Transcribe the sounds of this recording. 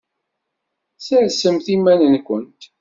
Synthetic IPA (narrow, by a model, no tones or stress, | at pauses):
səɾsəmθimːænənkʷənt̪